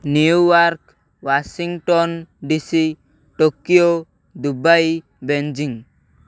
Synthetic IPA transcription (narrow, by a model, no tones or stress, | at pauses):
niuwaɾk | wasiŋʈɔnɖisi | ʈokio | d̪ubaj | bend͡ʒiŋ